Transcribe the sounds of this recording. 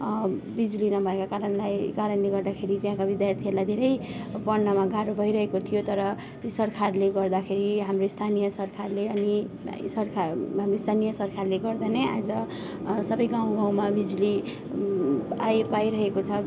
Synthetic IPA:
bid͡zulinʌbʱʌekakaɾʌnlajkaɾʌnleɡʌrd̪akʰeɾit̪jãkabid̪jart̪ʰielajd̪ʱeɾʌjpʌnːʌmaɡʱaɾobʱʌjɾʌɦekot̪ʰijot̪ʌɾʌ | isʌrkʰarleɡʌrd̪akʰeɾiɦamroist̪ʰanijʌsʌrkʰarleʌni | sʌrkʰaɦamroist̪ʰanijʌsʌrkʰarleɡʌrd̪anʌja̰d͡zʌ | sʌbʌjɡãw̃ɡãw̃mabid͡zuli | ajpajɾʌɦekot͡sʰʌ

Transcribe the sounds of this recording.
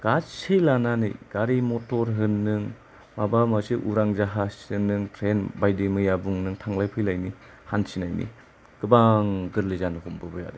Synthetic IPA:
ɡ̥asejlananḭjɡ̥aɾimotɔɾɦɯnːɯŋ | mabamasiʔuɾaŋzaɦasɯnːɯŋtʰɾenbajdimɯjabuŋnɯŋtʰaŋlajpʰɯjlajni | hansinajnḭ | ɡ̥ɯbaŋɡɯɾlizanɯɦɔmbɯbɯja̰da

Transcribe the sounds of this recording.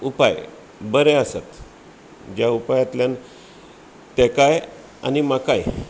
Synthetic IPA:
upaj | bəɾeasa̰t̪ | d͡ʑjaupajat̪ljan | t̪ekaj | a̰nimakaj

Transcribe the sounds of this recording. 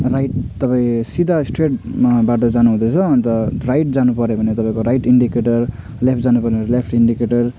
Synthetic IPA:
rajʈ̚t̪ʌpaĩsid̪ʱasʈreʈmbaʈʌd͡zanuɦũd̪et͡sʰʌʌnt̪ʌrajʈ̚d͡zanupʌɾjebʱʌnet̪ʌpãĩkoɾajʈiɳɖikeʈʌr | lepʰd͡zanupʌrnelepʰʈiɳɖikeʈʌr

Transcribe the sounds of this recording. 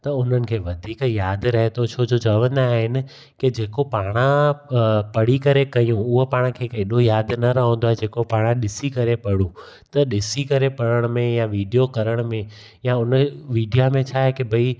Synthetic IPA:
t̪ɐʊn̤ənɪ̆kʰeːʋɐd̪ʱiːkjaːd̪ɾɐɦet̪ot͡ɕʰoːd͡ʑot͡ɕɐʋə̃nd̪aːɦɪnɪ̆ | kɪd͡ʑeːkopaːɽ̃ã | pɐɽ̤ikɐɾekɐjũʊɦopaːɽ̃kʰeːkeːɗojaːd̪nɐɾɐɦə̃nd̪oaɦed͡ʑeːkopaːɽ̃ãɗɪsikɐɾepɐɽũ | t̪ɐɗɪsikɐɾepɐɽəɽ̃mẽjaʋiːɖijokɐɾəɽ̃mẽ | jaʊnʋiːɖijamẽt͡ɕʰaːɦekɪbʱɐi

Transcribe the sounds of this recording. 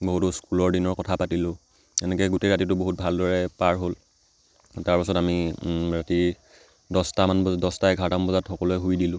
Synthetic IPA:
boɦutɔskulɔɹdinɔɹkɔtʰapatilʊ̃ | ɛnɛkɛɡuteɹat̬it̬ʊboɦut̚bʱaldɔɹɛpaɹɦol | taɹpasɔtamiɹati | dɔstamanbɔdɔstaɛɡʱatambɔzatxɔkɔlʊɛɦujdilʊ̃

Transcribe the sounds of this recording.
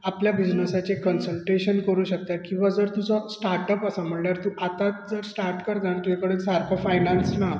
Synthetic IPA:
apljabid͡ʑnəsat͡ɕekənsəlʈeɕənkəɾuːɕək̚t̪at̪̚kĩw̃ʋad͡zəɾt̪ud͡zɔsʈaɾʈəpasam̤əɳɳaɾt̪ũʔat̪at̪̚d͡zəɾsʈaɾʈkəɾd͡zaɳt̪ujakəɽesaɾkʰəfajnansna

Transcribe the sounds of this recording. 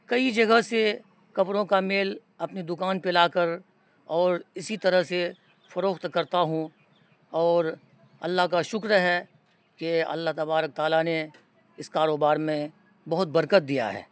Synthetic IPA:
kɐid͡ʒɐɡəɦse | kɐpɾõkameːl | ɐpnid̪ʊkaːnpelaːkəɾ | ɔːɾɪsit̪ɐɾəɦse | fɐɾoːkt̪kɐɾt̪aɦũ | ɔːɾ | ɐ̰lːaɦkaʃʊkɾəɦɛ | keɐ̰lːaɦt̪ɐbaːɾək̚t̪aːlane | ɪskaːɾoːbaːɾmẽ | bɐɦʊt̪̚bɐɾkət̪̚d̪ija̰ɦɛ̰ː

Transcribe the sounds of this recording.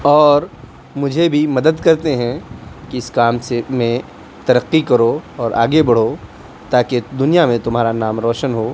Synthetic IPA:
ɔːɾ | mʊd͡ʒʱebʱimɐd̪əd̪kɐɾt̪eɦɛ̃kiɪskaːmsemẽ | t̪ɐɾəqːikɐɾoɔːɾʔa̰ːɡebɐɽ̤o | t̪aːked̪ʊnijamẽt̪ʊmɦaːɾanaːmɾɔːʃənɦoː

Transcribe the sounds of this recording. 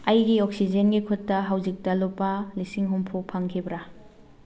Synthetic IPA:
ɐjɡioksid͡ʒenɡikʰutːɐɦawd͡ʒik̚tɐlopːɐlisiŋɦompʰupʰaŋkʰibɾa

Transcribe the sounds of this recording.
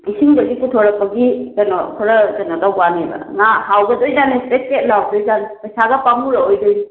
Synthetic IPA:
isiŋdɐɡikutʰoɾɐk̚pɐɡizɐnɔkʰɔɾazɐnɔdawbanibɐ̰ŋahawɡɐdojzanipet̚ket̚lawdojzanpɐjsaɡɐpamuɾɐojdoj

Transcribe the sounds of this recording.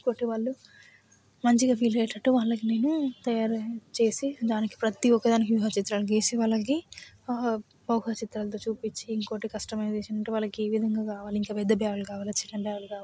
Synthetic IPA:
iiŋko̞ːʈiʋaːɭːu | mɐɲt͡ʃiɡaːpʰiːlɛːʈɐʈːuʋaːɭːɐkine̞ːnut̪ɐjaːɾt͡ʃe̞ːsid̪aːniki̥pɾɐt̪iɔkːɐd̪aːnikjuɦɐːt͡ʃit̪ɾaːlɐkeːsiʋaːɭːɐk̬i | bɐwɦat͡ʃit̪ɾaːlɐt̪̬oːt͡ʃuːpit͡ʃːiːŋko̞ːʈikɐsʈɐmɐjzeːʃɐnɐɳʈeʋaːlːɐkieːʋid̪ʱɐŋɡaːkaːʋaːliŋkaːʋɛd̪ːɐbaːʋɐlukaːʋaːlɐt͡ʃinːɐbaːʋɐlukaː

